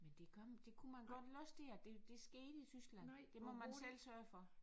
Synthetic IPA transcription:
mend̥e̝kʰɒmd̥e̝kʰumænɡ̥ɒ̽d̥lɒsd̥e̝ɐd̥e̝d̥e̝sɡ̥e̝ːd̥əit͡sʰysɡ̥lænd̥e̝mɒmænsel̰sɶːɐfɒ̽

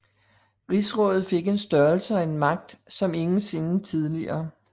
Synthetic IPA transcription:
ʁisʁɔ̽ːð̩ˠfe̝ɡ̥e̝nsd̥ɶɐlsəæe̝nmɑ̈ɡ̥̚d̥sɒ̽me̝ŋn̩se̝nət͡sʰið̞ˠliɐː

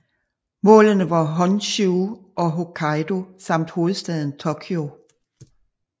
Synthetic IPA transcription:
mɔ̰̽ːlənəʋɑ̈ɦɒ̽nɕuʔɒ̽ɦo̝kʰɑ̈ɪdo̝sɑ̈m̰d̥hoːð̞̩ˠsd̥ɛð̞ˠn̩t͡sʰokʰjo

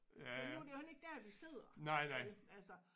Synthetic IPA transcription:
jænæud̥ehæne̝ɡ̥̚d̥æɐd̥ise̝ð̞̰ˠɐnɑ̈ɪ̰nɑɪ̰ælsɐ

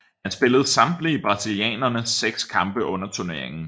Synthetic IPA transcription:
hænsb̥e̝ləð̞̩ˠsɑ̈md̥liːb̥ʁɑ̈siliɛ̰ːnɐnəseɡ̥skʰɑ̈mb̥əʔɔ̽nɐt͡sʰuɐne̝ɐ̰eŋn̩

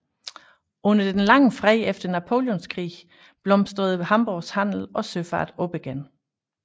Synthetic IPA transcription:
ɔ̽nɐd̥enlɑ̈ŋəfʁɛːefd̥ɐnæpʰo̝ːljɔnskʰʁḭː | b̥lɒ̽msd̥ʁɐð̞̩ˠhɑ̈mb̥oːshæn̰l̩ɒ̽søfɑ̰̈ːd̥ob̥eɡ̥æn

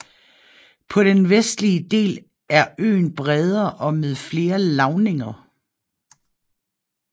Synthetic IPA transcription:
pʰɒ̽ɾ̥enʋesd̥liəd̥e̝̰ːl | æɐø̰ːnb̥ʁɛð̞ˠɐʔɒ̽meðˠfle̝ːɐlɑ̈ʊne̝ŋɐ

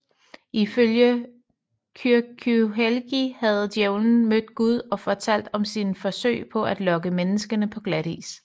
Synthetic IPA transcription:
ʔiføljə | kʰyɐkʰuɦelɡ̥ihæð̞̩ˠd̥jeʊln̩mød̥ɡ̥uð̞ˠɒ̽fɒ̽t͡sʰæl̰d̥ɒ̽msinfɒ̽sø̰ɪpʰɒ̽ʔæd̥lɒ̽ɡ̥əmenəsɡ̥ənəpʰɒ̽ɡ̥læd̥ḭːs

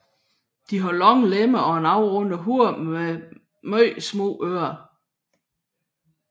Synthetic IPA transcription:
d̥iɦɑ̈lɒŋ̰leməɒ̽enɑ̈ʊʁɔ̽nəɦuɐ̰e | mœɪsmɔ̰ːøːɐ

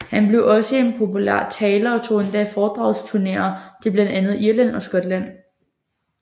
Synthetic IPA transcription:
hænb̥le̝ʊʔɒ̽səe̝npʰo̝pʰulæ̰ɐ̰t͡sʰɛːlɐɒ̽t͡sʰo̝̰ːe̝nd̥ɛfɒːd̥ʁɑ̈ʊlst͡sʰuɐne̝̰ːɐd̥e̝blænd̥ænð̞̩ˠiɐlæn̰ɒ̽sɡ̥ɒ̽d̥læn̰

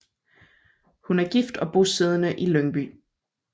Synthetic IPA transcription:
hunæɐɡ̥ifd̥ɒ̽b̥o̝seð̞ˠənəʔiløŋb̥y̰

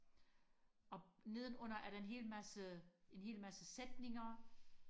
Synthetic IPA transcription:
ɒ̽ne̝ð̞ˠn̩ɔ̽n̰ɐʔæɐɾɑ̈e̝nɦe̝̰lmæsəe̝nɦe̝̰ːlmæsəsed̥ne̝ŋɐ

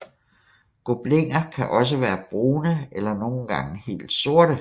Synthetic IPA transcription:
ɡ̥o̝b̥le̝ŋ̰ɐkʰæʔɒ̽s̬əʋæːɐb̥ʁuːnəelɐno̝ːn̩ɡ̥ɑ̈ŋəhe̝̰ːld̥so̝ɐ̰ɾ̥ə

